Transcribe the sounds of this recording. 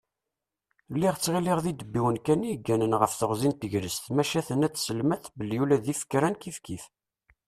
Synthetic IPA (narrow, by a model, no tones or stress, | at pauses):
lːiʁt͡sːʁiliʁðid̪əbːiwənkæniɡːænənʁəfθəʁzint̪əʝɾəst̪mæʃæθənæt͡sːsəlmæθbəlːijulæðifə̥kːɾænkifkiθ